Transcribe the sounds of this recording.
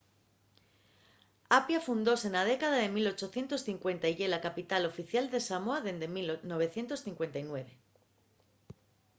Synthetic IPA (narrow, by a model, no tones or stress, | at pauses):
apjafund̪o̞senað̞e̞kaðaðe̞milo̞t͡ʃo̞θjent̪o̞sθiŋkwe̞nt̪ajʝe̞lakapit̪alo̞fiθjald̪e̞samoaðe̞nd̪emilno̞β̞e̞θje̞nt̪o̞sθiŋkwe̞nt̪ajnwe̞βe̞